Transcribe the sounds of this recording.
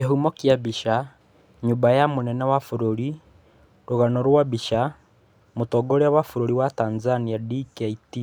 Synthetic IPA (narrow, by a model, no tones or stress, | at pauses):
aɦumɔkjaβiʃa | ɲumbajamonɛnawafoɾoɾi | ɾoɣanɔɾwaβiʃa | motɔɡoɾeaβafoɾoɾiwatanzaniadikaiti